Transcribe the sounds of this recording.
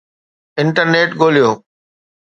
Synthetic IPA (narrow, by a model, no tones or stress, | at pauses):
ɪɳʈəɾneːʈɡoːlijoː